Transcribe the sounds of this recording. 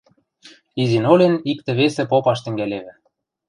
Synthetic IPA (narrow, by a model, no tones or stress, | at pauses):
izinolʲenikt̪ĕβesĕpopɑʃt̪ɘ̆ŋɡæleβɘ̆